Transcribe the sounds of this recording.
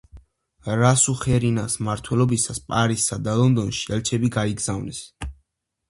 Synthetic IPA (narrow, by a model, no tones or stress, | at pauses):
ɾasuχɛɾinasmaɾt̪ʰwɛlɔbisaspʼaɾisːad̪alˠɔnd̪ɔnʃi̥ɛlt͡ʃʰɛbiɡaiɡz̥avnɛs